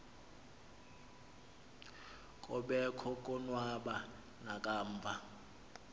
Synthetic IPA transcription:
kʼɔɓɛkʰɔkʼɔnwaɓa | nakʼaːɱːvʱa

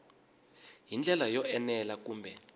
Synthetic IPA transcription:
ɦind͡ɮʱɛlajɔʔɛnɛlak̬uːmbʱɛ

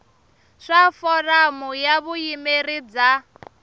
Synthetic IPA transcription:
ʂafɔramujaβujimerid͡za

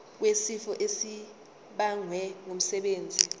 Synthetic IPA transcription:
k̬wesifɔʔesi | ɓaŋwɛŋom̩sɛɓeːnd͡zʱi

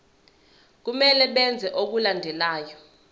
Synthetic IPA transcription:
k̬umɛlɛɓɛnd͡zʱɛʔok̬ulandʱɛlaːjɔ

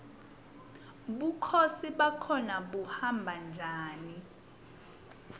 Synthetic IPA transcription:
ɓukʰosiɓakʰɔnaɓuhambʱand͡ʒʱaːni

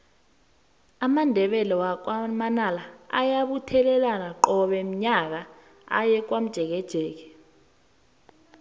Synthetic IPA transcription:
amandʱɛɓɛlɛwak̬amanalaa̰jaɓutʰɛlɛlanaǃɔɓɛm̩ɲak̬a | a̰jɛk̬wam̩d̥ʒ̥ʱɛk̬ɛd̥ʒ̥ʱɛːk̬ɛ̥

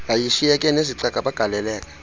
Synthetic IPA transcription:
jajiʃijɛkʼɛneziǀaɡ̥ʱʼaɓaɡ̥ʱalɛlɛːkʼḁ

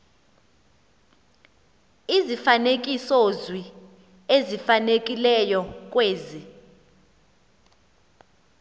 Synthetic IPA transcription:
izifanek̬ʼisozwi | ezifanek̬ʼilɛjɔk̬ʼweːzi

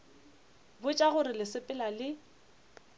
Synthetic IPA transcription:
bʊt͡ʃʼaɣʊɾɪlɪsɪpʼɪlalɪ

